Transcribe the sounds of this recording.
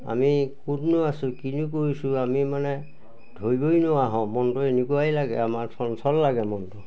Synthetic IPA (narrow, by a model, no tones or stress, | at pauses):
a̰mikutnʊasʊ̃kinuk̬oɹisuamimanɛ | dʱojbojnʊwaɦɔ̃mɔntɔenekuajlaɡɛ̰amaɹsʰɔnsɔlːaɡɛmɔntɔ